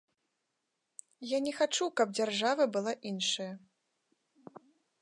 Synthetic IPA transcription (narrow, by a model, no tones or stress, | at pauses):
janʲɛxat͡ʂukɐb̚d͡zʲarʐavɐbɨlˠaʔinʂɐjɐ